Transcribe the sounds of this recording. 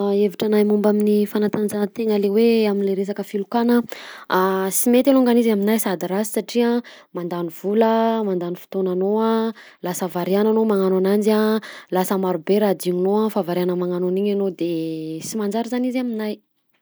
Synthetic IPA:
eviʈ͡ʂanajmumbaminifanat̪and͡ʒanət̪eŋəleweaminleɾes̬akəfilukanəasimet̪aluŋɡanizaminajsad̪iɾazi̥saʈ͡ʂiamand̪aniv̥uləmand̪anifi̥t̪onanoa | lasəvaɾiananomaŋananand͡ʒalasəmaɾubeɾad̪iɲinoafavaɾianəmaŋanoniɲanod̪esimand͡ʒaɾizanizaminaj

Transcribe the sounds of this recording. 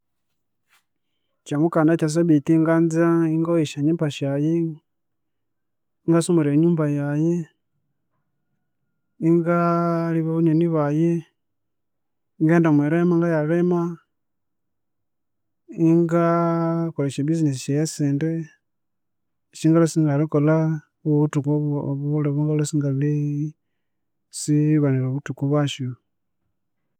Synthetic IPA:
t͡ʃamukanat͡ʃas̬oβitiŋɡanzaiŋɡoiʃaɲempaʃaje | iŋɡasumuɾeɲuːmbajaje | iŋɡaliβaβuɲeniβaje | ŋɡeːndamweɾemaŋɡajaɾema | iŋɡakoleʃabisines̬iʃjeseːnde | ʃiŋɡalosiŋɡalikola | uβutukuββoleβuŋɡalosiŋɡali | siβaniloβutukuβwaʃo

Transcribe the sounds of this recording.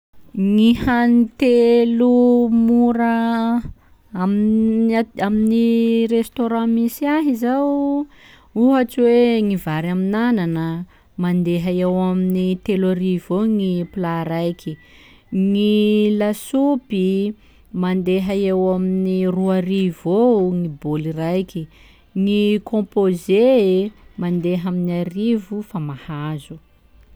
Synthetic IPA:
ŋihanit̪elumuɾə | am | aminirest̪oɾãmisiaɦizaw | uɦat͡siweŋivaɾaminananə | mand̪eɦəewaminit̪elaɾivoŋiplaɾajkʲi | ŋilasupi | mand̪eɦaewaminiruaɾivoŋibolirajkʲi | ŋikʰɔ̃poze | mand̪eɦaminarivufamahazu

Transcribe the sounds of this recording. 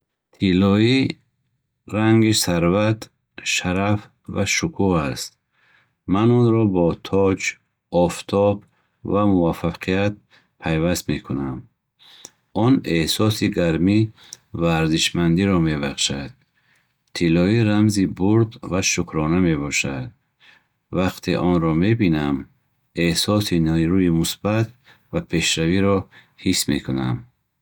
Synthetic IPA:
t̪ʰilɔi | ɾaŋɡisaɾvat̪ | ʃaɾaf | vaʃukʰuast̪̚ | manɔnɾɔbɔt̪ʰɔd͡ʒ | ɔft̪ʰɔb | vamuvafaqʰijat̪̚ | pʰajvast̪mekʰunam | ɔnehsɔsiɡaɾmi | vaːɾziʃmand̪iɾɔme̞baχʃad̪̥̚ | t̪ʰilɔiɾamzibuɾd̪vaʃukʰɾɔname̞bɔʃad̪̚ | vaqt̪ʰḛʔɔnɾɔme̞binam | ehsɔsinɾuimusbat̪̚ | vapʰe̞ʃɾaviɾɔ | hisme̞kʰuna̰m

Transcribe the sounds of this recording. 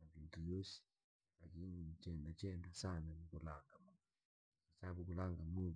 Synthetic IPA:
mavintujosi̥ | lakinit͡ʃɛndat͡ʃɛndasananikulaŋɡama | kasabukulaŋɡamo

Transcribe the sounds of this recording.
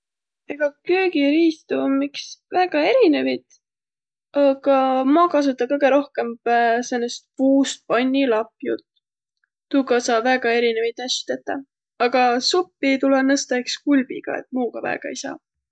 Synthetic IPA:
eɡ̥ɑkøːɡ̥iɾiːst̪umiksvæɡ̥ɑe̞ɾine̞vid̪ | ɑɡ̥ɑmɑːkɑs̬ut̪ːˑɑkɤjɡ̥e̞ɾo̞hke̞mpæsenːest̪̚puːst̪̚pɑnʲːilɑpjṵt̪ː | uːɡɑsɑːvæɡ̥ɑe̞ɾinevit̪æsi̥t̪et̪ːˑɑ | ɑɡ̥ɑsupːit̪ulenɤst̪ɑekskulb̥ḭɡ̥ɑ̰e̞̰t̪̚muːɡ̥ɑvæ̰eɡ̥ɑ̰ejsɑ̰ː

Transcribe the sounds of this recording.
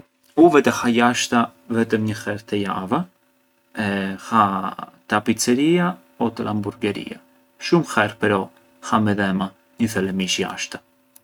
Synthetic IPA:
uvɛt̪ɛhajaʃt̪avɛt̪əmɲəxɛɾt̪əja̰va | ɛhat̪apit͡sɛɾia | ɔt̪əlʔambuɾɡɛɾḭa̰ | ʃumxɛɾpɛɾɔ | hamɛðɛma | ɲəθɛlɛmiʃja̰ʃt̪ḁ

